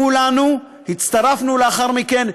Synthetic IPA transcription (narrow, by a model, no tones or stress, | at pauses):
ulanu | hit̪t͡st̪aʁafnuleaχaʁmike̞n